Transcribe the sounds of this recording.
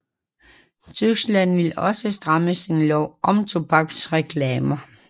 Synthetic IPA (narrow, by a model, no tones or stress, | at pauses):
t͡sʰysɡ̥læn̰ʋe̝lɒ̽səsd̥ʁɑməsinlɒʊʔɒ̽mt͡sʰo̝b̥ɑ̈ɡ̥sʁɛkʰlɛːmɐ